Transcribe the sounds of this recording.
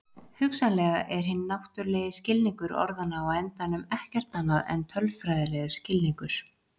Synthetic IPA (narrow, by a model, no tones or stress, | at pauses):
hʏksanlɛɣaʔɛɾ̥ɦɪnːnawht̪ʏɾlɛːðɪscɪlniŋkʏɾɔ̰ɾðanaːawɛnt̪anʏmɛhcɛr̥t̪anːaðɛ̰nt̪ʰœlfɾajðɪlɛɣʏ̥scɪlniŋkʏɾ̥